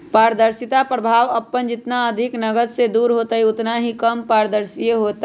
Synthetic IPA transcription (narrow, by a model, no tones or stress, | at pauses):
paːɾd̪əɾsɪt̪apɾəbʱaːʋəpːənd͡ʒɪt̪naəd̪ʱɪknəɡəd̪sed̪uːɾɦoːt̪aɦiʊt̪naɦikəmpaːɾd̪əɾsijeɦot̪